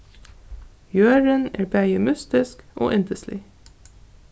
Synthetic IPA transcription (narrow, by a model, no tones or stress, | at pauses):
jøːɹənæ̰ːɹbæɪəmʉst̪ɪskʔo̰ːʔɪnt̪əslɪ̰